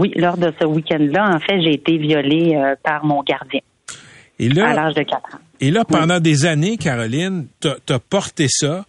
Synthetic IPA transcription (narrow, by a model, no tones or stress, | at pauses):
wilɔːʁd̪əsəwikʲɛ̃nd̪lʌɑ̃fɛʒeːt̪evjɔleøpaʁmɔ̃ɡaʁd̪zjɛ̃ | elʌalaʁʒd̪əkat̪χɑ̃ | elʌpɑ̃d̪ɑ̃d̪ezanekʲaʁɔlɪnt̪ɐt̪yɐpɔʁt̪esʌ